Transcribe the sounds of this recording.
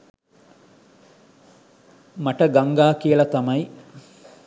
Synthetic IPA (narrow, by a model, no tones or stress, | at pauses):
mɐʈəɡaŋɡaːkijəlɐt̪ɐmɐji